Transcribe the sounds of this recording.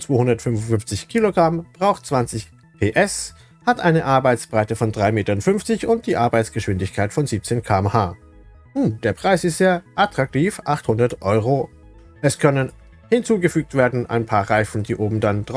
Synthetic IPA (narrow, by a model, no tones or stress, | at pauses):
t͡sv̥oːhʊndɐtfʏnvʊnfʏnft͡sɪçkʰiːloɡʁamb̥ʁaʊxtt͡sv̥ant͡sɪç | pʰeːʔɛs | hatʔaɪnəʔaɐbaɪt͡sb̥ʁaɪtəfɔndʁaɪmeːtɐnfʏnft͡sɪçʊnt̚d̥iːʔaɐbaɪt͡sɡ̥əʃv̥ɪndɪçkʰaɪtfɔnziːp̚t͡seːnkʰaːɛmhaː | numd̥eːɐpʁ̥aɪsɪstz̥eːɐʔatʁ̥ak̚tʰiːfʔaχthʊndɐtʔɔʏʁo | ʔɛskʰœnən | hɪnt͡suːɡəfyːk̚tv̥eːɐdn̩ʔa̰ɪnpʰaːɐʁaɪfn̩diːʔoːbm̩dandʁ